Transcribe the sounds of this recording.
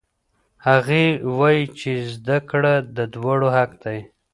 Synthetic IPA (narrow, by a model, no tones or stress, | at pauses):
haɣewajit͡ʃezd̪akɽad̪əd̪waɽohak̚d̪aj